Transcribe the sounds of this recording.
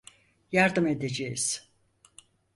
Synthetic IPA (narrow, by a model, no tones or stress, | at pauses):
jaɾd̪ɯme̞d̪ed͡ʒejiz̥